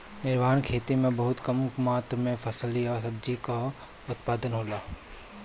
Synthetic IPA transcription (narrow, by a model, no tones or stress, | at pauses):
nɪɾʋaːnkʰeːt̪imẽbɐɦʊt̪kɐmkmaːt̪ɾmẽpʰɐsliɔːɾsɐbd͡ʒika | ʊt̪̚paːd̪ənɦoːlaː